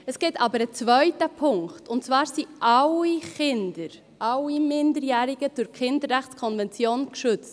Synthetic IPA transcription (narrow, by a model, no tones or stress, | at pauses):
əsɡ̥ɛtʰɑːbəɾət͡svœʏtəpʰʊŋktʊntt͡svɑːɾsiʔɑliχɪndəɾ | ʔɑlimɪndəɾjæːɾɪɡəd̥ʊɾkχɪndəɾːæχt͡skʰɔnvɛnt͡sjoːnkʃʏt͡st